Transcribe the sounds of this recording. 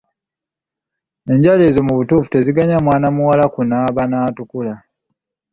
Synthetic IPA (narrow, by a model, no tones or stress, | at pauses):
e̞ɲɟalezomuβutuːfu̥te̞ziɡaɲamwaːnamuwalakunaβanaːtukula